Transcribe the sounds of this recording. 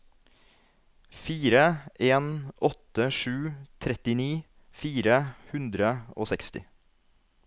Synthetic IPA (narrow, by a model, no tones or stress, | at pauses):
fiːɾəʔeːnʔɔt̪əʂʉːt̪ʰɾɛt̪ɪniː | fiːɾəhʉnd̪ɾəo̰ːsɛkst̪ɪ̰